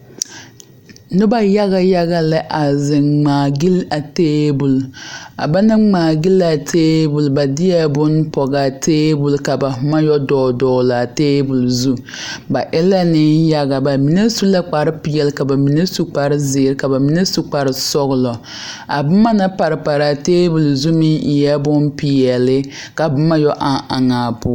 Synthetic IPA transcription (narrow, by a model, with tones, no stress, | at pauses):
nɪ˦ba˦ja˦ɣa˦ja˦ɣa˦lɪ˦ʔa˨zɪ˨ŋ͡maː˨ɡi˦la˨teː˦bu˨la̰˨ba˦na˦ŋ͡maː˨ɡi˦la˨tʰeː˦bu˨lba˨dɪ˦ɛ˦bʊ˦npɔ˨ɡa˨teː˦bu˨lka˨ba˨hʊ˨ma˦jɔ˦dɔː˨dɔː˨˦la˨a˨teː˦bu˨lzu˦ | ba˨ʔɪ˦la˦nɪ˦nja˦ɡa˨ba˨mi˨ne˦su˦la˦k͡pa˨ɾɪ˦pi˨jɛ˨lɪ˦ka˨ba˨mi˨ne˦su˦k͡pa˨ɾɪ˦zɪ˨ɾɪ˦ka˨ba˨mi˨ne˦su˨k͡pa˨ɾɪ˨sɔ˦ɣʊ˨lɔ˨ | a̰˨bʊ˦ma˦na˦pa˨ɾɪ˨pa˨ɾa˨teː˦bu˨lzu˦mɪ˦ŋʔɪ˨jɛ˦bʊ˦npi˨jɛ˨lɪ˦ | ka˨bʊ˦ma˦jɔ˦ʔa˨a˨ŋaː˨pʊ˦